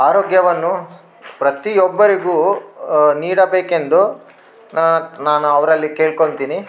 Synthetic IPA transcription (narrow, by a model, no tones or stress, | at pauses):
aːɾoːɡjɐʋɐnːu | pɾɐt̪iɔbːɐɾiɡuː | niːɽɐbeːke̞nd̪u | nanaːnuɐʋɾɐlːikeːɭko̞ɳt̪iːni